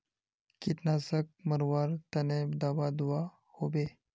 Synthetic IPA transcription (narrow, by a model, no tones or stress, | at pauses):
kit̪nasək̚məɾʋaɾt̪əned̪aʋad̪uʋa | hobe